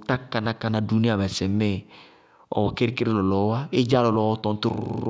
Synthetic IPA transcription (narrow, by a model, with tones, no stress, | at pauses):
ta˦ka˨na˦ka˨na˨du˦nĩ˦a˨mɛ˨sɛ˨me˦˨ | ɔ̰˨wɔ˨ke˦ɾi˦ke˦ɾi˦lɔ˨lɔ˨wa˦e˦d͡ʒa˦lɔ˨lɔ˨˦wɔ˦t̪ɔ̃˨n˦t̪u˦ɾ